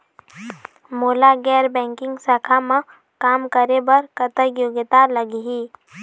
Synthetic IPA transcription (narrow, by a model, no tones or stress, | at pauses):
molaɡɛɾbɛ̃ŋkɪŋɡsakʰamə̃ | kamkəɾebəɾkət̪əkjoɡət̪aləɡiɦiː